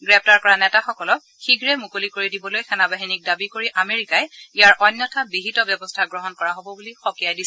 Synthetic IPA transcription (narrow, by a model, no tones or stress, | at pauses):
ɡɹɛp̚ʰtaɹkɔɹanɛtaxɔkɔlɔk̚ | xiɡɹɛmukolikoɹidibɔlojxɛnabaɦinik̚dabikoɹiʔameɹikajijaɹʔɔjnːɔtʰabiɦitɔbjɔbɔstʰaɡɹɔɦɔnkɔɹaɦobɔbulixɔkijajdisɛ